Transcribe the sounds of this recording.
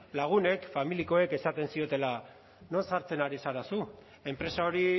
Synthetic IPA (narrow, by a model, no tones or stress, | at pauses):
laɣ̞une̞kfamiliko̞e̞ke̞sat̪e̞nsio̞t̪e̞la | no̞nsaɾt͡se̞naɾisaɾasu | e̞mpɾe̞sao̞ɾi